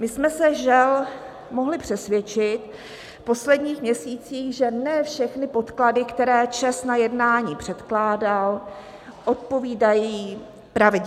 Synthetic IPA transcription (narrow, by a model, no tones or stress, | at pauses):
mɪsmɛsɛʒɛl | mo̞ɦlɪpr̝̥ɛsvjɛt͡ʃɪt̪ | fpo̞slɛdɲiːxmɲɛsiːt͡siːxʒɛnɛfʃɛxnɪpo̞t̪kladɪkt̪ɛɾɛːt͡ʃɛst̪najɛdnaːɲiːpr̝̥ɛt̪klaːdal | ʔo̞t̪̚po̞viːdajiː | pɾavɪd